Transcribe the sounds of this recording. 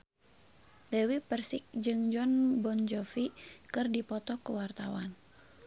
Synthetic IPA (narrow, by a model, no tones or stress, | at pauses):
dɛwipərsik̚d͡ʒɨŋd͡ʒɔnbɔnd͡ʒɔfikɨrdipɔt̪ɔkuwart̪awa̰n